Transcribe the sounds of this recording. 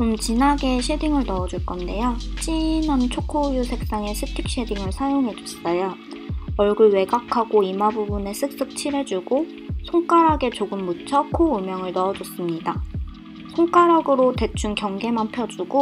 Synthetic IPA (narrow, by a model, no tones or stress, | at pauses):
komt͡ɕinɦaɡe̞ɕʰediŋɯɭnʌʌd͡ʑuɭk͈ʌnde̞jot͡ɕ͈inant͡ɕʰokʰojusʰe̞k̚s͈aŋe̞sʰɯtʰik̚ɕ͈ediŋɯɭsʰajoŋɦe̞d͡ʑʌs͈ʌjo | ʌɭɡuɭwe̞ɡakʰaɡoimabubune̞sʰɯk̚s͈ɯk̚t͡ɕʰiɾe̞d͡ʑuɡo | sʰoŋk͈aɾaɡe̞t͡ɕoɡɯmːut͡ɕʰʌkʰoumjʌŋɯɭnʌːd͡ʑʌs͈ɯmɲida | sʰoŋk͈aɾɦaɡɯɾote̞t͡ɕʰunkjʌŋɡe̞mampʰjʌd͡ʑuɡo